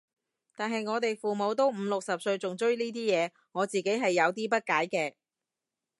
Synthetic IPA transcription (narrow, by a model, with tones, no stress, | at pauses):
t̪aː˨nɦɐ˨jŋɔː˨˧t̪e˨jfuː˨mo˨˧wt̪̬o˥wm̩˨˧lʊ˨k̚sɐ˨p̚sɵ˧ɥt͡sʊ˨ŋt͡ʃɵ˥ɥniː˥t̪iː˥jɛː˨˧ | ŋɔː˨˧t͡siː˨ke˨˥jɦɐ˨jːɐ˨˧wt̪iː˥pɐ˥t̚kaː˨˥jkɛː˧